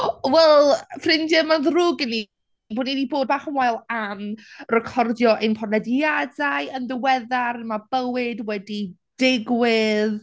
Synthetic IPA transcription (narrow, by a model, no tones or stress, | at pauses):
wɛlˠfrɪndɛmanðrʊːɡəni | boːnidiboːd̚baːχmwajlˠamrɛkʰɔrdjɔʔenpʰɔrnɛdadajənðɪwɛðaɾmabəwɪdwɛdi | d̥ɪɡwɪð